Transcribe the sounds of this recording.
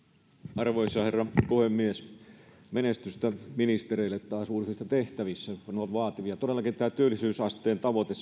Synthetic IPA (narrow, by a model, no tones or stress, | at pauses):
ɑrʋoisɑherːɑpuhemːies | menest̪yst̪æminist̪ereilːet̪tɑːsuːrisuist̪ɑt̪eht̪æʋisːæɑnɑʋʋɑːt̪iʋiɑt̪odelːɑkint̪æːt̪yølːˑisyːsɑst̪eːnt̪ɑʋot̪esː